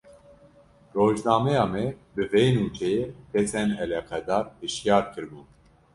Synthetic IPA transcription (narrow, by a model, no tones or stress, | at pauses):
roːʒnɑːmɛjɑːmɛbɨvejnuːt͡ʃʰɛjepʰɛsɛnɛlɛːqʰɑd̪ɑːɾhɨʃjɑːɾkʰɨɾbuːn